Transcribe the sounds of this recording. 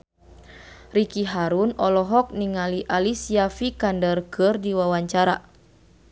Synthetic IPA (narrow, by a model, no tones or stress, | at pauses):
rikiɦaɾunɔlɔɦɔk̚niŋaliʔalisiafikandərkɨrdiwawaɲt͡ʃaɾa